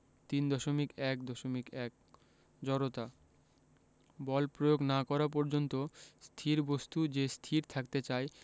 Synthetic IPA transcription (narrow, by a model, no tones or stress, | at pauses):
t̪ind̪ɔʃomikɛk̚d̪ɔʃomikɛk̚ | d͡ʑɔɾot̪a | bɔlpɾojoɡnakɔɾap̬ɔɾd͡ʑont̪ost̪ʰiɾbost̪ud͡ʑest̪ʰiɾt̪ʰakt̪et͡ɕae